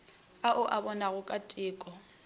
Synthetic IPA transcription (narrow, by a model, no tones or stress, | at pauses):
aʔʊʔabɔnaɣʊkʼatʼɪːkʼɔ